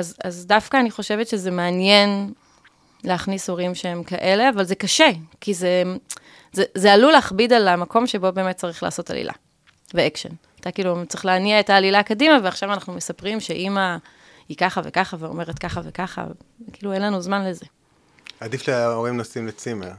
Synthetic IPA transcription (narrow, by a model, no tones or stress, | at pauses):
azazdafkaːniχo̞ʃevetʃezemeanje̞n | leaχniso̞ʁimʃeemkaʔe̞le̞avalze̞kaʃekize | zezealuleːχbidalamako̞mʃe̞bo̞be̞ːmet̚t͡saʁiχla̰ːsota̰lḭlʔa̰ | veekʃḛn | at̪akiːlutt͡sʁiχleaniaetaːlilakadimaveaχʃavanaχnumesapʁimʃe̞ʔima | ikaχavekaχaveo̞me̞ʁetkaχavekaχa̰kiːluenlanuzmanle̞ze̞ | ad̪ifleoʁimnosimlet͡simeʁ